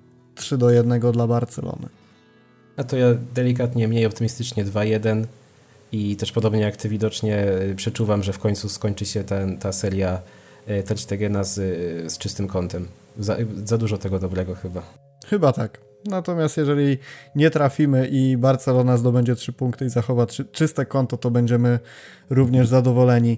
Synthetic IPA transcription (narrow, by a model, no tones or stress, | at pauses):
tʂɘd̪ɔjɛd̪nɛɡɔd̪labaɾt̪sɛ̰lɔ̰nɘ̰ | at̪ɔjad̪ɛlʲik̬at̪ɲɛmɲejɔpt̪ɘmʲist̪ɘt͡ʂɲɛd̪vajɛd̪ɛn | it̪ɛʂpɔd̪ɔbɲɛjakt̪ɘvʲid̪ɔt͡ʂɲɛpʂɛt͡ʂuvamʐɛfkɔɲt̪suskɔɲt͡ʂɘɕɛt̪ɛnt̪asɛɾʲja | t̪ɛɾɕt̪ɛɡɛnazst͡ʂɘst̪ɘmkɔnt̪ɛm | za̰zad̪uʐɔt̪ɛɡɔd̪ɔbɾɛɡɔxɘba | xɘbat̪ak | nat̪ɔmʲjast̪jɛʐɛlʲiɲɛt̪ɾafʲimɘʔibaɾt̪sɛlɔnazd̪ɔbɛɲd͡ʑɛtʂɘpuŋkt̪ɘizaxɔvat͡ʂɘst̪ɛkɔnt̪ɔt̪ɔbɛɲd͡ʑɛmɘ | ɾuvɲɛʐzad̪ɔvɔlɛɲi